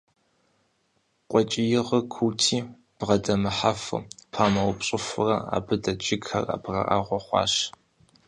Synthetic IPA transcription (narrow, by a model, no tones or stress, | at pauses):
qʷʼɔt͡ʃʼɪjɪʁkʰuːtʰiː | b̥ʁɐdɐmɨħafɨ̰pʰaːmɐwʊpɕʼɪfʷɨrɐa̰ːbɨdɐt͡ʃʼɪɡxɐ̰ra̰ːbʁɐ̰ʔa̰ːʁʷɔχʷɑ̰ːɕ